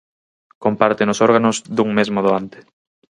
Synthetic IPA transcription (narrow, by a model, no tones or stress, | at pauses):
kompaɾt̪ɪnʊsɔɾɣanozðuŋmezmoðoant̪ɪ̥